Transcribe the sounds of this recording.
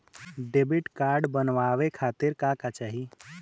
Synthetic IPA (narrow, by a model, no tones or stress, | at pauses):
ɖeːbɪʈkaːɾɖbənʋaːʋekʰaːt̪ɪɾkakat͡ʃaɦi